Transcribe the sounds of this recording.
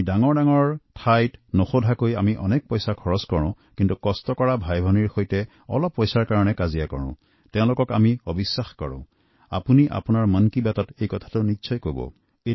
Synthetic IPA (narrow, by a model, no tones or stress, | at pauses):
daŋɔɹdaŋɔɹtʰajtnoxodʱakojamiʔɔnɛk̚pɔjsakʰɔɹɔskɔɹʊ̃ | kintukɔstɔkɔɹabʱajbʱɔniɹxojtɛ | ɔ̰lɔpːɔjsaɹkaɹɔnɛkazijakɔ̰ɹʊ̰̃ | tɛ̃ʊ̃lʊkɔkamiobisːaxkɔɹʊ̰̃ | a̰puniʔa̰punaɹmankibjatɔtejkɔtʰḁtʊʊnitːsʰɔjkobɔ̰ | e